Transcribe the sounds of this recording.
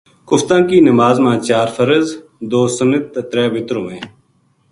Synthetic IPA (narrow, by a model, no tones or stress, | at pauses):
kʊft̪ãːkiːnəmaːzmãːt͡ʃaːɾfʰəɾəzd̪oːsənət̪ːɾɛːʋɪt̪ɾõːmẽː